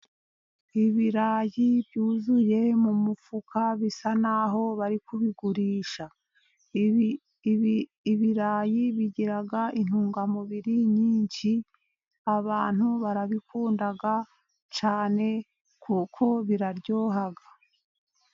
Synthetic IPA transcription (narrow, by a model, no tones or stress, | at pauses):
iβiɾaːjibjuːzuje̞mumufukʰaβisanaːɦo̞βaɾikuβiɡuɾiːʃa | iβiɾaːjiβiɟiɾaɡaʔin̥uːŋɡamuβiɾiɲiːɲʃi | aβaːn̥huβaɾaβikuːndaɡa | t͡ʃaːne̞ | kukʰo̞βiɾaɾɟo̞ːɦaɡa